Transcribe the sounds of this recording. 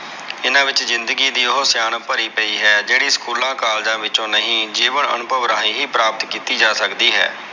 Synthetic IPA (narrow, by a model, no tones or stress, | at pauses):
ɪnãːʋɪt͡ʃzɪ̃nd̪əɡiːd̪iːʊɦʊsjaːnpəɾiːpəiːɦɛːd͡ʒeːɽiːskuːlãːkaːld͡ʒãːʋɪt͡ʃõːnəɦĩːd͡ʒiːʋəɳə̰nʊbʱəʋɾaːiːɦiːpɾaːpət̪kiːt̪iːd͡ʒaːsəkd̪iːɦɛ̰ː